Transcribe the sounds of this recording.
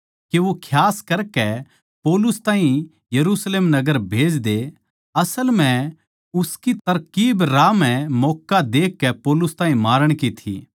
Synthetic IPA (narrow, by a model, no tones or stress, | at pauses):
keʋokʰjaːskɐɾkɛ | poːlʊst̪aːɦĩ | jɐɾusleːmnɐɡəɾbʱeːd͡ʒd̪e | ɐsəlm̤ɛ̃ | ʊskit̪ɐɾkiːbɾaːmɛ̃mɔːkːad̪eːkːɛpoːlʊst̪ãːɦĩmaːɾəɽ̃kit̪ʰḭ